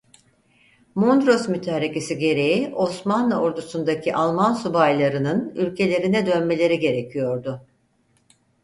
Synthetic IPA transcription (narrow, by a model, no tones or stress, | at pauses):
mond̪ɾo̞smyt̪ʰɛaɾecesiɟe̞ɾe̞jio̞smanlˠao̞ɾd̪usund̪acʰiʔalˠmansubajlˠaɾɯnɯnylʲcʰe̞lʲe̞ɾinɛd̪ø̞nme̞lʲe̞ɾiɟe̞ɾe̞cʰijo̞ɾd̪ʊ